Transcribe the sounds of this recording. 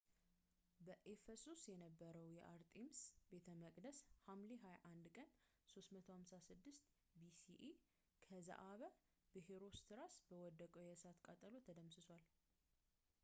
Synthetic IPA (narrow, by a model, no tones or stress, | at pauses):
bəʔefəsusjɛnəbːəɾəwjɛ̰ʔaɾt̪ʼemsbe̞t̪ʰəməkʼd̪əshamliɦajaʔand̪kʼən | so̞st̪mət̪ʰo̞hamsasɨd̪ːɨst̪ | bisiʔe | kʰəza̰ʔaβə | bɨɦeɾo̞st̪ʰɨɾasbəwɔd̪ːəkʼojɛsat̪kʼat̪ʼəlot̪ʰəd̪əmsɨswal